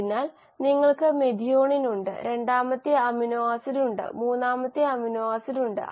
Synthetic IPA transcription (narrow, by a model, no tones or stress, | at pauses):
inːaːl | niŋːɐɭkɨmed̪ʱijo̞ːɳinuɳɖɨ̰ɾe̞ɳɖaːmɐt̪ːiɐminuʋaːsiluɳɖɨ̰muːnːaːmɐt̪ːiɐminuʋaːsiluɳɖɨ̰